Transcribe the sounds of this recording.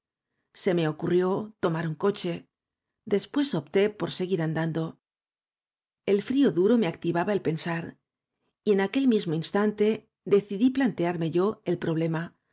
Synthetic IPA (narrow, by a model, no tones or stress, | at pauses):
se̞me̞o̞kurjo̞t̪o̞maɾuŋko̞t͡ʃe̞ | d̪e̞spwe̞so̞p̚t̪e̞po̞ɾse̞ɣiɾand̪and̪o̞ | e̞lfɾio̞ðuɾo̞me̞ak̚t̪iβaβaelpe̞nsaɾ | ie̞nake̞lmizmo̞inst̪ant̪e̞ | ðe̞θiðiplant̪e̞aɾme̞ʝo̞e̞lpɾo̞β̞le̞ma